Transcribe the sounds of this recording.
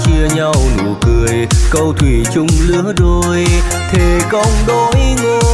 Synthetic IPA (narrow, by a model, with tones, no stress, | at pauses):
t͡ɕi˧əɲa˧wnu˧˨˩əkɨ˨˩əjkə˧wt̪ʰwi˧˩t͡ɕʊ˧ŋ͡mlɨ˧˥əɗo˧˩j | t̪ʰe˨˩kə˧wŋ͡mɗo˧˨˦jŋo˧˨˩